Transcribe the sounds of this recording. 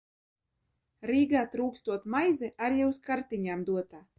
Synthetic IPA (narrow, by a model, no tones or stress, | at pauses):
ɾiːɡaːt̪ɾuːkst̪uɔt̪majzɛʔaɾjɛwskaɾt̪iɲaːmd̪uɔt̪aː